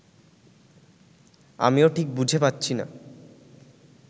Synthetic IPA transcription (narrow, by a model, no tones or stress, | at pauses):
a̰mioʈʰik̚bud͡ʑʱepatːɕʰina̰